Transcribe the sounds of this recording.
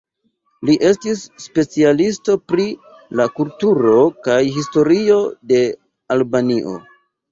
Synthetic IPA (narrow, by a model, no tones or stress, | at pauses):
liʔe̞stisːpe̞t͡sialistopɾi | lakultuɾo̞kajɦisto̞ɾio̞de̞ | albaniʔo̞̰